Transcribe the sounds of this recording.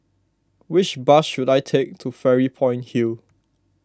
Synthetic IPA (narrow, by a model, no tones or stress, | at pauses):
wɪt͡ʃbasʃudajtʰek̚tʰufɛɹipʰɔ̃j̃nhil